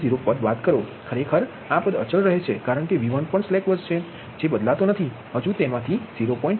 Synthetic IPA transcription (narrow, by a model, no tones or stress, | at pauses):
ziɾopəd̪ʋat̪kəɾokʰəɾekʰəɾ | apəd̪ə̰t͡ʃəlɾəɦet͡ʃʰekaɾəɳkeʋiʋənpəɳslekʋəd͡ʒt͡ʃʰe | d͡ʒebəd̪lat̪onət̪ʰi | ɦəd͡ʒũt̪emãt̪ʰiziɾopɔ̃ĩɳʈ